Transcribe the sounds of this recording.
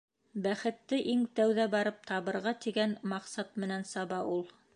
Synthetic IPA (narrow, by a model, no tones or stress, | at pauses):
bæχɘ̆t̪ːɘʔiŋt̪æwðæbɑɾɤp̚t̪ʰɑβɤ̆ɾʁɑt̪iɡænmɑqsɑt̪mɘ̆nænsɑβɑʔulˠ